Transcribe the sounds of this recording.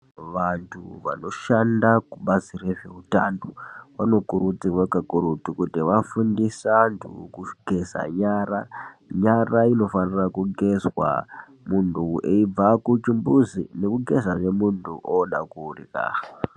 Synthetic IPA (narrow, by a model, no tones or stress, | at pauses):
ʋantʰuʋa̰no̞ʃandakuɓazireʐe̞utanoʋano̞kuɾutirwekakuɾutikutiʋafundisantʰṵkuɡʱe̞za̰ɲaːraɲaraino̞fanirakuɡʱe̞zwa̰ | muntʰueib͡vakut͡ʃimbuzine̞kuɡʱe̞zaʐe̞muntʰuʔoɗakuːrika̰ːxa